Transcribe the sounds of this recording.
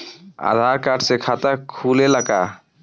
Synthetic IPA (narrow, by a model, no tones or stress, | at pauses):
a̰d̪ʱaɾkaːɾɖsekʰat̪əkʰuːleləka